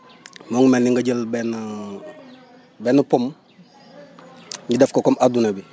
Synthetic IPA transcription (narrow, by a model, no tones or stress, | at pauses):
moŋumeniŋɡaɟəlben | benupom | ɲidefkokomadunebi